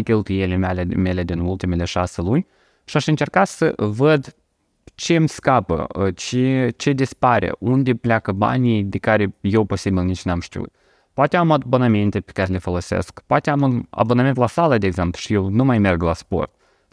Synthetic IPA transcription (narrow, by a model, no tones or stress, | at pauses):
t̪ʲelt̪ijelemalemele̞d̪inulˠt̪imele̞ʃaselunʲ | ʃiaʃɨnt͡ʃe̞rkat̪səvəd̪ | t͡ʃe̞mʲskapə̰t͡ʃet͡ʃe̞d̪ispaɾḛʔund̪eplʲakəba̰nʲejd̪ekaɾejewpo̞sibilnit͡ʃnamʃt̪ḭṵt̪ | poat̪eamat̪bonament̪epe̥kaɾelefolˠo̞sḛskpoat̪eamuna̰boname̞nt̪lasalˠəd̪eːɡzemplˠuʃijewnumajmerɡlaspo̞̰rt̪̚